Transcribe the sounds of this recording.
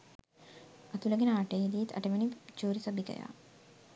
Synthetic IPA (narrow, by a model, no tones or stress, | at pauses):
ɐt̪ulɐɡenəaːʈeid̪ijet̪ɐ̰ʈəʋenid͡ʒuːɾisɐbikɐ̰ja̰ː